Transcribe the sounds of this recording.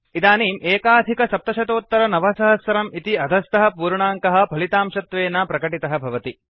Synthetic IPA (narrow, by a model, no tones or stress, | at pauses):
id̪aːniːmʔeːkaːd̪ʱikɐsɐp̚t̪ɐʃɐt̪oːt̪ːɐɾɐnɐʋɐsɐɦɐsʋɐɾɐmit̪iɐd̪ʱɐst̪ɐɦɐ̆puːɾɳaːŋkɐɦɐ̆pɐlit̪aːmʃɐt̪ʋeːnaːpɾɐkɐʈit̪ɐɦɐ̆bʱɐʋɐt̪i